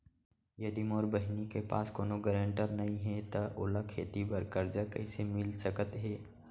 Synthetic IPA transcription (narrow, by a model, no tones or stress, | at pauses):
jɐd̪imoːɾbəɦnikepa̰ːskoːnoɡəɾə̃ɳʈəɾnɐɦĩɦɛt̪aʔʊlakʰeːt̪ibəɾkəɾd͡ʒakɐɪsemɪlsəkət̪ɦɛː